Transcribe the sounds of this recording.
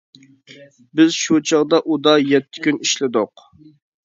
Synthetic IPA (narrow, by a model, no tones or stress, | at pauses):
bɪzʃut͡ʃʰɑʁd̪ɑʔud̪ɑjɛt̪ʰːɪ̥kʲyniʃlɪd̪ʊq